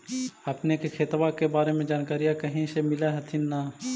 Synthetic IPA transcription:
ɐpnekekʰeːt̪wakebaːɾemẽd͡ʒaːnkaːɾijakɐɦĩsemɪlaɦɐt̪ʰɪnːaː

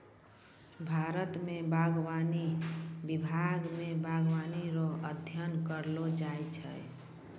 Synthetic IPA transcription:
bʱaɾət̪mebaɡwanibibʱaɡmebʱaɡwaniɾoəd̪ʱjənkəɾlod͡ʒajt͡ʃʰə̰j

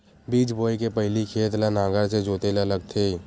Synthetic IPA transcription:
biːt͡ʃboːikepɐɦɪlikʰeːt̪lanãːɡəɾsed͡ʒoːt̪elaləɡ̚t̪ʰeː

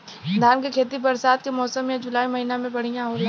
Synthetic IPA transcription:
d̪ʱaːnkekʰeːt̪ibɐɾsaːt̪̚kemɔːsəmjad͡ʒʊlaːimɐɦiːnamẽbɐɽ̤ijãɦoːɾa

